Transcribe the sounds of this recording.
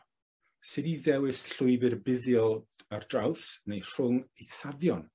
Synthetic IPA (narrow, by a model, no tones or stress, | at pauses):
sɪdiðɛwɨsɬʊjbɨrbɪðjɔlˠardrawsnejr̥ʊŋejθavjɔn